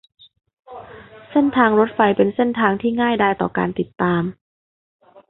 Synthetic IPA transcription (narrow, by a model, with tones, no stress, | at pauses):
se˥˩nt̪ʰaː˧ŋɾo˦˥t̪̚fa˧jpe˧nse˥˩nt̪ʰaː˧ŋt̪ʰiː˥˩ŋaː˥˩jdaː˧˥˩jt̪ɔ̰ː˨˩ka̰ː˧nt̪i˨˩t̪ːaː˧m